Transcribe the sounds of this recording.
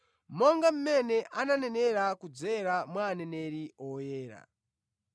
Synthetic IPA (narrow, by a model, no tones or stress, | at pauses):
mɔŋɡam̩mɛnɛʔananɛnɛɾakud͡zɛɾamwaːnɛnɛɾiɔjɛːɾa̰